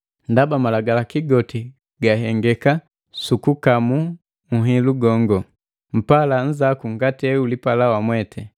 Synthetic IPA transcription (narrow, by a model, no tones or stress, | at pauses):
ndabamalaɡalakiɡɔti | ɡaɦɛŋɡɛka | sukukamu | ŋ̩ɦiluɡɔŋɡɔ | m̩palan̩zakuŋɡatɛulipalawamwɛtʰɛ